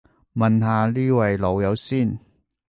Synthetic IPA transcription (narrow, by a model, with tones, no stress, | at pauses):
mɐ˨nɦaː˨˧liː˥wɐ˨jlo˨˧wjɐ˨˧wsiː˥˩n